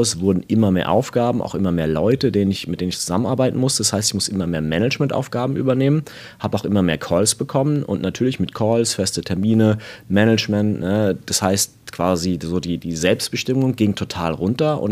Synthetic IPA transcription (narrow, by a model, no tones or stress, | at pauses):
ʊsv̥ʊɐdn̩ʔɪmɐmeːɐʔa̰ʊfɡ̥aːbm̩ʔa̰ʊxʔɪ̰mɐmeːɐlɔʏtədeːnənɪçmɪtd̥eːnənɪçt͡suzamənʔaɐbaɪtn̩mʊstəd̥ashaɪstɪçmʊsʔɪmɐmeːɐmɛnət͡ʃmɛntʔa̰ʊfɡ̥aːbm̩ʔy̰ːbɐneːmən | haːbəaʊxʔɪmɐmeːɐkʰɔlsb̥əkʰɔmənʊ̰ntnatʰyːɐlɪçmɪtkʰɔːlsfɛstətʰɛɐmiːnəmɛnət͡ʃmɛntnəd̥ashaɪst | kv̥aːzizoːdiːdiːzɛlpstb̥əʃtɪmʊŋɡɪŋtʰotʰa̰ːlʁʊntɐʔʊ̰n